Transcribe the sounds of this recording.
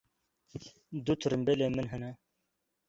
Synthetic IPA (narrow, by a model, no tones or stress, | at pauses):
d̪ut̪ʰuɾɨmbeleːmɨnɦɛnɛ